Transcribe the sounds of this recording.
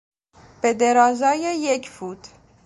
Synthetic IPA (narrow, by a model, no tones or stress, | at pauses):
pɛd̪ɛɾɑzɑjəjɛkfut̪